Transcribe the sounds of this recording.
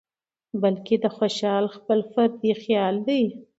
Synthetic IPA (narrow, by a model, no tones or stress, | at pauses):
balked̪əxoʃɑlxpəlfaɾd̪ixjɑld̪aj